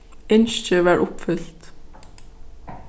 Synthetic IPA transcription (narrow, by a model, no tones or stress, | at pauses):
ɪnʃəʋæːɹʔʊpfʏlt̪